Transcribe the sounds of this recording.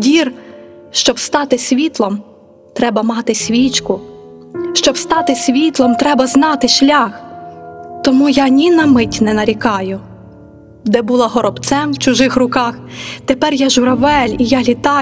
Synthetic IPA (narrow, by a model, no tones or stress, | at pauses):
dʲirʃt͡ʃɔbst̪ɑt̪ɪsʲʋʲit̪lˠɔm | t̪ɾɛbɐmɑt̪ɪsʲʋʲit͡ʃkʊ | ʃt͡ʃɔbst̪ɑt̪ɪsʲʋʲit̪lˠɔmt̪ɾɛbɐznɑt̪ɪʃlʲax | t̪ɔmujɑnʲinɐmɪtʲnɛnɐɾʲikɑjʊ | d̪ɛbulˠɑɦɔɾɔbt̪sɛmwt͡ʃʊʒɪxrʊkɑxt̪epɛrjaʒʊɾɐʋɛlʲijalʲit̪ɑ